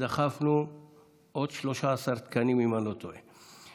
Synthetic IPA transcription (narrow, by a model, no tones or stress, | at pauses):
axafnu | od̪ʃloʃasaɾt̪kanimimalot̪oe